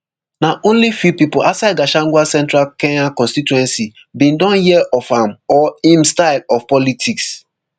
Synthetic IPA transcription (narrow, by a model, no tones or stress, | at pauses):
naʔõnlifupipolʔasad̚ɡaʃãŋɡʷwasɛ̃ntɾalkɛ̃ɲakɔ̃nstituɛ̃nsi | bĩndɔ̃njiɛʔɔfamɔĩmstaɪlɔvpɔlitʰiks